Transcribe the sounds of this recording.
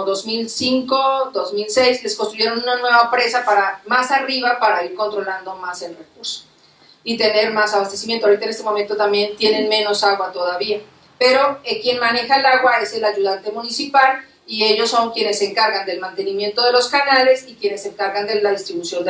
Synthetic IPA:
ðo̞zmilsiŋko̞d̪o̞zmilse̞jsle̞sko̞nst̪ɾuʝe̞ɾo̞nunanwe̞βapɾe̞sapaɾamasariβapaɾaiɾko̞nt̪ɾo̞land̪o̞mase̞lrekuɾso̥ | it̪e̞ne̞ɾmasaβast̪e̞simjent̪oawɾit̪aenest̪e̞mo̞ment̪o̞t̪ambje̞nt̪je̞ne̞nmẽ̞no̞saɣwat̪o̞ðaβia | pe̞ɾo̞ekje̞nmane̞xaelaɣwae̞se̞laʝuðant̪emũnisipal | ie̞ʝo̞sːoŋkje̞nesːe̞ːŋkaɾɣand̪e̞lmãnt̪e̞nĩmje̞nt̪oðe̞lo̞skanale̞sikje̞ne̞sːe̞ŋkaɾɣand̪e̞laðist̪ɾiβusjo̞nd̪

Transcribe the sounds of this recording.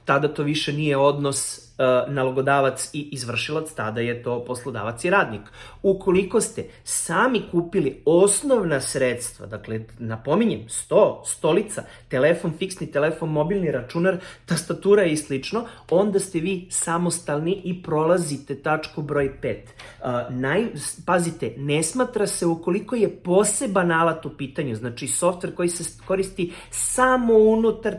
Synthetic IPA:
t̪ad̪at̪o̞ʋiʃenijeo̞d̪nos | naloɡo̞d̪aːʋat̪siːzʋr̩ʃilˠat̪st̪ad̪aje̞t̪o̞ːpo̞slˠod̪a̰ːʋat̪siɾaːd̪nikukoliko̞st̪e | saːmikuːpiliosno̞ʋnasɾet̪st̪ʋa̰d̪aklenapo̞miɲemst̪oːst̪o̞lit̪sa̰ | t̪elefo̞nfiksnit̪elefo̞nmo̞bilˠniɾat͡ʃunaɾt̪ast̪at̪uːɾajeislit͡ʂnoo̞nd̪ast̪eʋiːsamo̞st̪alˠniʔipɾo̞lˠazit̪e̞t̪at͡ʂkubɾo̞jpeːt̪ːnajpazit̪enesmaːt̪ɾase̞uko̞liko̞je̞po̞se̞banalat̪upiːt̪aɲuznat͡ʃiso̞ft̪ʋe̞ɾko̞jiseko̞ɾist̪i | samo̞unut̪aɾ

